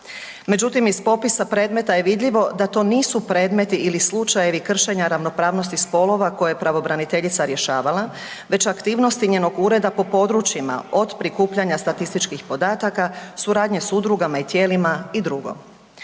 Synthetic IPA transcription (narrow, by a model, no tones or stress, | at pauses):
me̞d͡ʑut̪imispo̞pisapɾe̞ːd̪me̞t̪aje̞ʋid̪ʎiʋo̞d̪at̪o̞ːniːsupɾe̞ːd̪me̞t̪iilislˠut͡ʃaje̞ʋikr̩ʃe̞ɲaɾaʋno̞pɾaːʋno̞st̪ispo̞lo̞ʋako̞jeepɾaʋo̞bɾanit̪e̞ʎit̪saɾje̞ʃaːʋala | ʋe̞t͡ɕakt̪iːʋno̞st̪iɲeːno̞ɡuːɾe̞d̪apo̞po̞d̪ɾut͡ʃjima̰o̞d̪pɾikuːpʎaɲast̪at̪ist̪it͡ʃkixpo̞d̪aːt̪akasuɾaːd̪ɲe̞sud̪ɾuɡamait̪je̞ːlimaid̪ɾuɡo̞̰